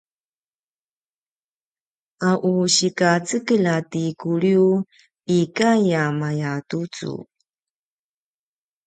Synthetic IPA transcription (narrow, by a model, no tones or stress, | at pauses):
ʔaʔuɕikat͡səkəlatikuɾiu | ikajamajatut͡sṵ